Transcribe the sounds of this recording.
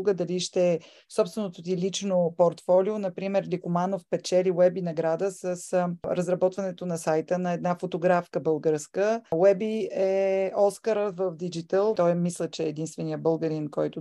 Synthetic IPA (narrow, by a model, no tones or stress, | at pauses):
uɡəd̪ɐliʃt̪ɛ | sɔpst̪vɛnot̪ot̪ilit͡ʃnopoɾt̪fɔlionɐpɾimɛɾlikʊmanofpɛt͡ʃɛliwɛbinɐɡɾad̪əsəsɾəzɾɐbɔt̪vɐnɛt̪onɐsajt̪ənɐɛd̪nafot̪oɡɾafkəbəlˠɡəɾskəwɛbiɛɔskəɾəvəfd̪id͡ʒit̪əlˠt̪ɔjmislʲət͡ʃɛːd̪inst̪vɛnijəbɤlˠɡəɾinkɔjt̪ʊ